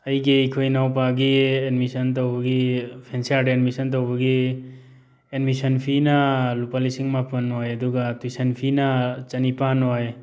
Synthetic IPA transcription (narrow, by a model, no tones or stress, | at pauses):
ɐjɡijkʰojnawp̬aɡiedmisɐntɐwbɐɡipʰensiaɾdedmisɐnt̬ɐwbɐɡi | edmisɐnpʰinɐlupalisiŋmapʰɐnojɐduɡatujsɐnpʰinɐt͡ʃɐnipanoj